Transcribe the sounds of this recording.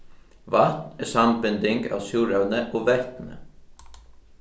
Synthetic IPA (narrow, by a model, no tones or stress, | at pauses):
ʋɑt̪ɛːsɑmbʏnd̪ɪŋɡɑ̰ːsjuːɾɑʉnəʔoːʋɛt̪nə̰